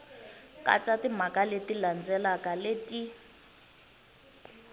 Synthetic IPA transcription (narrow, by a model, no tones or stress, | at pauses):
ka̰t͡sʼatim̤akaletiland͡zɛlakaleti